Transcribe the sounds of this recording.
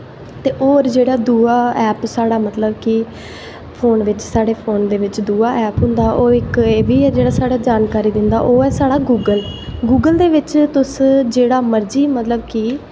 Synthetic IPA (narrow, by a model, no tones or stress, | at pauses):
t̪eːʔoːɾd͡ʒeːɽaːd̪uːaːɛːpsaːɽaːmət̪ləbkɪ | pʰoːnʋɪt͡ʃsaːɽeːpʰoːnd̪eːʋɪt͡ʃd̪uːaːʔɛːpɦʊ̃nd̪aːʔoːɪkeːʋiːd͡ʒeːɽaːsaːɽaːd͡ʒaːnkaːɾiːd̪ɪnd̪a̰ːʔoːɛːsaːɽaːɡuːɡəlɡuːɡəld̪eːʋɪt͡ʃt̪ʊsd͡ʒeːɽaːməɾd͡ʒiːmət̪ləbkɪ